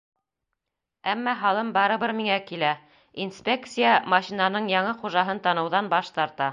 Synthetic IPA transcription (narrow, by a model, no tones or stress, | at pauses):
æmːɑɦɑlˠɤmbɑɾɤ̆βɤɾmiŋækilæ | inspʲek̚t̪sɨjamɑɕinanɤɴjɑɴɤχuʒɑɦɤnt̪ɑnɤ̆wðɑnbɑʃt̪ɑɾt̪ɑ